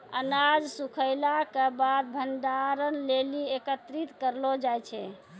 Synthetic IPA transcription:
ənad͡ʒsukʰəjlakebad̪̚bʱənd̪aɾənleliekət̪ɾit̪kəɾlɔd͡ʒajt͡ʃʰɛ

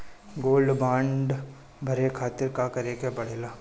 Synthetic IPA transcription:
ɡoːlɖbãːɳɖ | bʱɐɾekʰaːt̪ɪɾkakɐɾeːkebɐɽ̤eːlaː

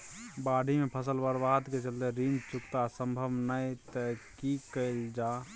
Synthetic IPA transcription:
baɖʱimepʰəsəlbəɾbad̪ket͡ʃəlt̪eɾind͡ʒt͡ʃukt̪asə̃mbʱəbnəjt̪əkikəɪld͡ʒa

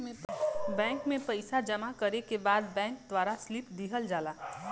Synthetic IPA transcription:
bɛ̃ːŋkmẽpɐɪsad͡ʒɐmakɐɾekebaːd̪bɛ̃ːŋk̚d̪ʋaːɾaslɪpd̪iːɦəld͡ʒaːlaː

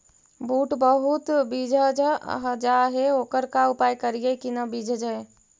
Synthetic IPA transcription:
buʈbəɦut̪bid͡ʒʱəd͡ʒɦd͡ʒaɦeoːkəɾkaupajkəɾijekinəbid͡ʒʱəd͡ʒəe

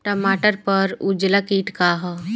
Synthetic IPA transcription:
ʈəmaːʈəɾpəɾud͡ʒlakiːʈkaɦɔ

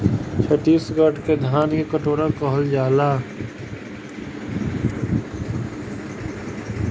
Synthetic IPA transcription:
pʰeʈiːsɡəɖked̪ʱaːnkekəʈoːɾakɔɦəld͡ʒaːlaː

